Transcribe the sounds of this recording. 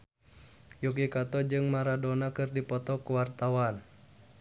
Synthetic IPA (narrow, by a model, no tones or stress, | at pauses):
juk̬ikat̪ɔd͡ʒɨŋmaɾadɔnakɨrdipɔt̪ɔkuwart̪awan